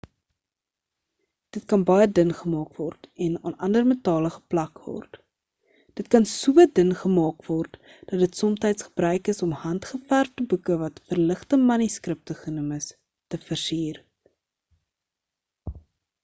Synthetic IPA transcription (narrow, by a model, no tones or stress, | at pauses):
d̥ətkɐnbɐjədənχəmɑːkvɔrtɛnɑ̰ːnɐ̰ndərmətɑːləχə̥plɐkvɔ̰rt | d̥ətkɐnsuədənχəmɑːkvɔrt | d̥ɐtdətsɔmtɛjtsχə̥brœɥkəsɔmhɐntχəfærftəbukəvɐtfərləχtəmɐniskrəp̚təχənəməs | təfərsiːr